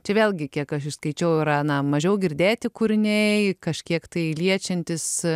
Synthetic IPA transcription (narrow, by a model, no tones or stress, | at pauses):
t͡ʃʲɛʋʲeːlʲɡʲɪkʲiɛkɐʃɪʃskɐɪt͡ʃʲɛʊɪɾɐnɐmɐʒʲɛʊɡʲɪɾʲd̪ʲeːt̪ʲɪkʊɾʲɪnʲɛkɐʃʲkʲiɛkt̪ɐɪlʲiɛt͡ʃʲɛnʲt̪ʲɪs